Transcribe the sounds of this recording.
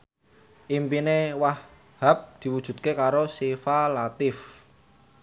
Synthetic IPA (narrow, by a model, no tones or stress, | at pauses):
ʔimpinewah | ha̤p̚d̪̥i̤wud̥ʒ̥ṳt̪̚kekaɾosefalat̪ɪf